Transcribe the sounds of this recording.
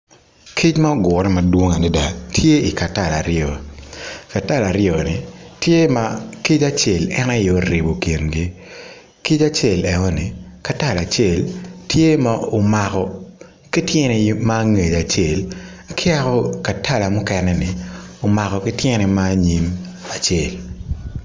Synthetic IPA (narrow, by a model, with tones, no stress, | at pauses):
kʰi˦t͡ʃma˦o˦ɡʊ˨ɾɛ˦ma˨dwo˦ŋa˨nɪ˦da˦tʰje˦i˨ka˨ta˦˨la˨ɾɪɔ˨ | ka˨ta˦˨la˨ɾɪɔ˨nɪ˨tje˦ma˦ki˦t͡ʃa˦t͡ʃe˨lɛ˦na˦jo˦ɾi˨bo˨ki˨nɡi˦ | ki˦t͡ʃa˦t͡ʃe˨lɛ˨ŋɔ˦nɪ˨ka˨ta˦˨la˨t͡ʃe˦˨ltʰje˦ma˦o˨ma˨kɔ˨ | kɪ˦tjɛ˦nɛ˨ma˦ŋe˨d͡ʒa˨t͡ʃe˨lkʰɪ˦a˦kɔ˦ka˨tʰa˦la˨mʊ˦kɛ˨nɛ˦nɪ˨o˨ma˨kɔ˨kɪ˦tjɛ˦nɛ˨maː˦ɲi˦ma˨t͡ʃe˨l